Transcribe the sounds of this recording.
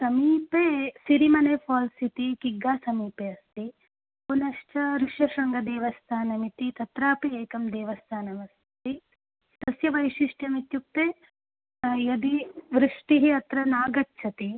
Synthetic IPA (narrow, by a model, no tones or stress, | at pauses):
sɐmiːpeːsiɾimɐneːpʰɔːlsit̪ikiɡːaːsɐmiːpeːɐst̪i | punɐʃt͡ʃɐɾiʂɐʃɐŋɡɐd̪eːʋɐst̪ʰaːnɐmit̪it̪ɐt̪ɾaːpieːkɐmd̪eːʋɐst̪ʰaːnɐmɐs | t̪i | t̪ɐsjɐʋɐjʃiʂʈjɐmit̪juk̚t̪eː | jɐd̪iʋɾɨʂʈiɦiɐt̪ɾɐnaːɡɐtːt͡ʃʰɐt̪i